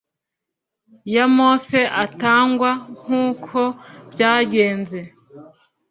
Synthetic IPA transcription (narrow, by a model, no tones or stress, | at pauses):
jamoːse̞ʔataːŋɡwaŋ̥uːkʰo̞b̥ɟaːɟe̞ːnze̞